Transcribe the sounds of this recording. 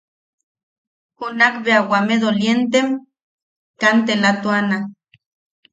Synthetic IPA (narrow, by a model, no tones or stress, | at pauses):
hunakbeawameðoljent̪em | kant̪̬elat̪uana